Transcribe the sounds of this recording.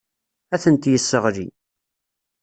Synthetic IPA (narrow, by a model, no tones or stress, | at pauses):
æθənt̪jəsːəʁɾḭ